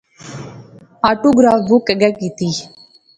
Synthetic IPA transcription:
aːʈoːɡɾaːfʋʊkəɡɛːkiːt̪iː

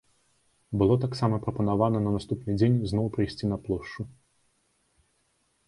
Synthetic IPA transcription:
bɨlˠɔt̪aksamɐpɾɐpɐnavanɐnɐnast̪upnɨd͡zʲenʲznɔwpɾɨjsʲt͡sʲinɐplˠɔʂt͡ʂu

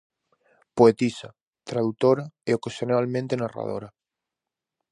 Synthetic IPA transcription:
poet̪isa | t̪ɾaðut̪oɾaeokasjonalmẽnt̪enara̰ðo̰ɾa

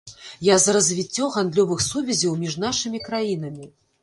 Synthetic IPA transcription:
jazɐɾɐzʲvʲit͡sʲːɔɣand̪lʲɔvɨxsuvʲɛzʲɐwmʲiʐn̪aʂɨmʲikɾajin̪ɐmʲi

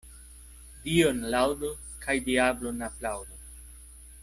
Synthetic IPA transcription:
dionlawdo | kʰajdiablonaplawd̪o

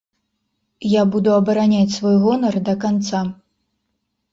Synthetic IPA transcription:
jabud̪uɐbɐɾanʲat͡sʲsvɔjɣɔnɐrd̪ɐkant̪sa

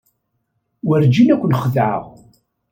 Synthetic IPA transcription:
wəɾd͡ʒinækʷːənχəðʕə̰ʁ

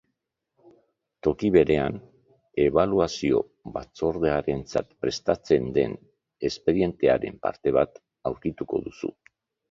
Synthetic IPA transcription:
t̪o̞kiβe̞ɾe̞an | e̞β̞aluasio̞̰ | βat͡so̞ɾðe̞aɾe̞nt͡sat̪pɾe̞st̪at͡se̞nd̪e̞n | e̞spe̞ðie̞nt̪e̞aɾe̞mpa̰ɾt̪e̞βat̪ | awɾkit̪uko̞̰ðusṵ

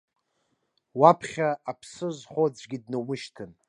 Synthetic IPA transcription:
wapʰχʲaːpʰsɨzχod͡zʷɡʲidnɨwɨʃtʰɨn

